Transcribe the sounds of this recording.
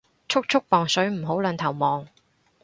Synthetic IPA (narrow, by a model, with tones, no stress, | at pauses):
t͡ʃʰʊ˥k̚t͡ʃʰʊ˥k̚pɔː˨˩ŋsɵ˨˥ɥm̩˨˩ɦo˨˥wlɐ˨˧nt̪ʰɐ˨˩wmɔː˨ŋ